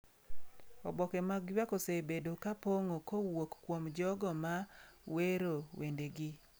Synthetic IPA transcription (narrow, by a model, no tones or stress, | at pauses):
ɔ̰bɔkɛmaɡjwakosebedokapoŋokowokːwomd͡ʒɔɡɔmaweɾowendeɡɪ